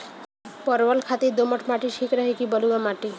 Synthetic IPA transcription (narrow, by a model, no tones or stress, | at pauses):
pɔɾʋəlkʰat̪ed̪omɔʈʰmaʈiʃʰikɾəɦekibɔluɡamaʈi